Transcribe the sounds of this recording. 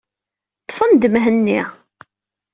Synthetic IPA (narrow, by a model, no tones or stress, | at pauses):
t̪ˤːfənd̪mɦənːi